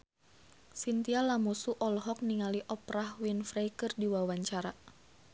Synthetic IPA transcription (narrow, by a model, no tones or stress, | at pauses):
sint̪ialamusuʔɔlɦɔk̚niŋaliʔɔpɾahwinfɾejkərdiwawaɲt͡ʃaɾa